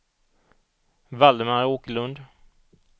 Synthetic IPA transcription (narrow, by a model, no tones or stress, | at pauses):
vald̪əmaɾoːkəlɵnd̪